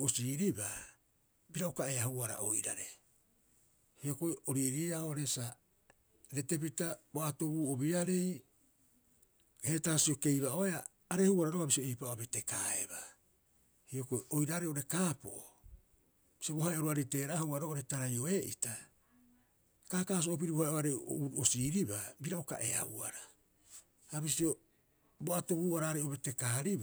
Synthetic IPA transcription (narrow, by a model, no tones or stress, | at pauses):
osiːɾiba | biɾaukaeahuaɾa̰ʔo̰jɾa̰ɾe̞ | hio̞kojoɾiːɾiaoɾesa | ɾe̞te̞p̬itaboato̞buːobiɾaɾe̞j | hetaːsio̞ke̞jβao̞eaː | ɾehuaɾaɾokabisioijpaoabete̞kaḛba | hio̞koojɾaːɾeoɾe̞kaːpo̞̰ʔo | bisiobohaeoɾoaɾejte̞ːɾaːhawaɾoʔoɾe̞taɾajo̞e̞ʔḭta | kaːkaːs̬oop̬iɾiβohajʔoaɾejo̰uɾosiːɾibabiɾaoka̰ʔe̞̰a̰ṵa̰ɾa | haβisio̞ | boato̞βuːaɾaːɾejoβete̞kaːɾib